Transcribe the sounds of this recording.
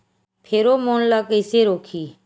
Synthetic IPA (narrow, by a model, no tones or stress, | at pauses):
pʰeːɾoːmoːnlaːkeːseːɾoːkʰiː